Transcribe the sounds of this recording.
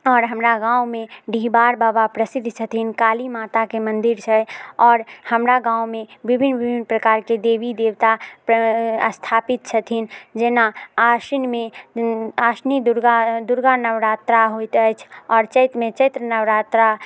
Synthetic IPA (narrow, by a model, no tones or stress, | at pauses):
ɔːɾɦəmɾaɡãːumeɖʱibaːɾbaːbapɾəsid̪ʱt͡ʃʰət̪ʰinkaːlimaːt̪akemə̃nd̪iɾt͡ʃʰɛɔːɾhəmɾaɡãumẽbibʱinbibʱinpɾəkaːɾked̪ebid̪ewt̪apəst̪ʰaːpit̪̚t͡ʃʰət̪ʰind͡ʒenaasinme | aːsnid̪uɾɡad̪uɾɡanəʋɾat̪ɾaɦojt̪ɛt͡ʃʰɔːɾt͡ʃəɪt̪ɾmẽt͡ʃəɪt̪ɾənəwɾat̪ɾa